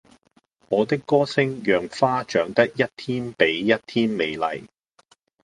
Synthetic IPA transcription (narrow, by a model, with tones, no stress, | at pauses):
ŋɔː˨˧t̪ɪ˥kːɔː˥sɪ˥ŋjœː˨ŋfaː˥t͡ʃœː˨˥ŋt̪ɐ˥k̚jɐ˥t̚t̪ʰiː˥npe˨˥jːɐ˥t̚t̪ʰiː˥nme˨˧jlɐ̰˨˩j